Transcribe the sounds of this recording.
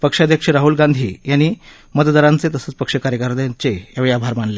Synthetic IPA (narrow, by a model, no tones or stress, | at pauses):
pəkʂad̪ʱjəkʂəɾaɦuːlɡãnd̪ʱiːjanːiː | mət̪d̪aɾant͡set̪əsət͡spəkʂəkaɾjəkəɾd̪jat͡ɕejaʋiabʱaɾmaɳle